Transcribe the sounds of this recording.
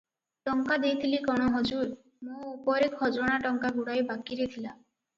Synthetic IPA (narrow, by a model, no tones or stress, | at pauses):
ʈɔŋkad̪ejt̪ʰilikɔɽ̃ɔɦɔd͡ʒuɾ | mũupɔɾekhɔd͡ʒɾɔɽ̃aʈɔŋkaɡuɽajbakiɾet̪ʰila